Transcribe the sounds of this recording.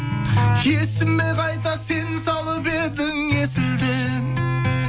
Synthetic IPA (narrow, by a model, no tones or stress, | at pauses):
jʰesɪmːeqʰɑjt̪ɑse̞nsɑlˠəpbe̞ɾd̪ɪŋesɪld̪ɪn